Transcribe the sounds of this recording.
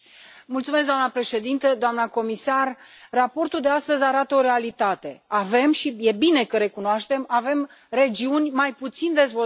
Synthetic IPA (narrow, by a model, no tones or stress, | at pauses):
mult̪sumes̬ɡd̪oamnəpɾe̞ʃe̞d̪int̪əd̪oamnəko̞misarrapo̞rt̪uld̪east̪əzʲaɾat̪əo̞ɾe̞alit̪at̪e̞ave̞mʃije̞bine̞kəɾe̞kunoaʃt̪e̞mave̞m | re̞d͡ʒiunʲmajput̪sind̪e̞zvo